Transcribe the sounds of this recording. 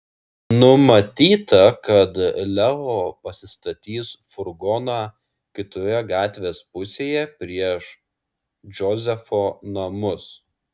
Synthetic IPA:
nʊmɐt̪ʲiːt̪ɐkɐt̪lʲɛoːpɐsʲɪst̪ɐt̪ʲiːsfʊɾɡɔnɑː | kʲɪt̪ojɛɡɑːt̪ʲʋʲeːspʊsʲeːjɛpʲɾʲiɛʃ | d͡ʒʲɔzʲɛfoːnɐmʊs

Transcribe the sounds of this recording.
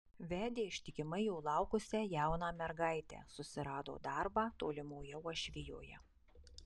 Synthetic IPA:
ʋʲæːd̪ʲeːɪʃʲt̪ʲɪkʲɪmɐɪjuʊlˠɑˑʊkʊsʲɛjæˑʊnɑːmʲɛɾɡɑˑɪt̪ʲɛ̰ːsʊsʲɪɾɑːd̪o̰ːd̪ɑɾbɑːt̪oːlʲɪmoːjɛʊɔʃʲʋʲɪjo̰ːjɛ̰

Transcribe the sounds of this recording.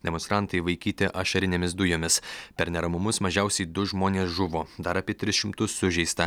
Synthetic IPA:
d̪ʲɛmɔnst̪ɾɐnt̪ɐɪʋɐɪkʲiːt̪ʲɪʔɐʃɐɾʲɪnʲemʲɪs̬d̪ʊjoːmʲɪspʲɛɾnʲɛɾɐmʊmʊsmɐʒʲɛʊsʲɛɪd̪ʊʒmoːnʲeːsʒʊʋoːd̪ɐɾɐːpʲiɛt̪ʲɾʲɪsʃʲɪmt̪ʊsːʊʒʲɛɪst̪ɐ

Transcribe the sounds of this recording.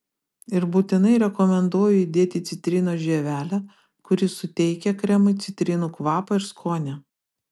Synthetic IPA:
ɪɾbuːt̪ʲɪnɐɪɾʲɛkɔmʲɛnd̪uɔjʊɪd̪ʲeːt̪ʲɪt̪sʲɪt̪ʲɾʲɪnoːʒʲeːʋʲæːlʲæ | kʊɾʲɪsʊt̪ʲɛɪkʲɛkɾʲɛmʊt̪sʲɪt̪ʲɾʲɪnuːkʋɑːpɐɪɾskʰoːnʲɛ

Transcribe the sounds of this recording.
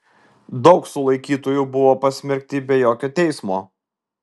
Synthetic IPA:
d̪ɒʊksʊlˠɐɪkʲiːt̪oːjubʊʋoːpɐsʲmʲɛɾʲk̚ʲt̪ʲɪbʲɛjoːkʲoːt̪ʲɛɪsmoː

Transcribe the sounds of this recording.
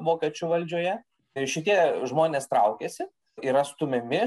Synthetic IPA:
ʋoːkʲɛt͡ʃʲuʋɐlʲd͡ʒʲoːjɛ | ʃʲɪt̪ʲiɛʒmoːnʲeːst̪ɾɐʊkʲeːsʲɪ | ɪɾɐst̪ʊmʲɛmʲɪ

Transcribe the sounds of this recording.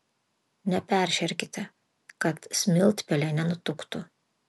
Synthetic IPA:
nʲɛpʲæˑɾʲʃʲɛɾʲkʲɪt̪ʲɛ | kɐt̪sʲmʲɪlʲˠt̪ʲpʲɛlʲɛnʲɛnʊt̪ʊkt̪ʊ

